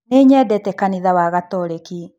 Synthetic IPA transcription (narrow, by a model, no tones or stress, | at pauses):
neɲɛdɛtɛkaniðawaɣatɔɾeki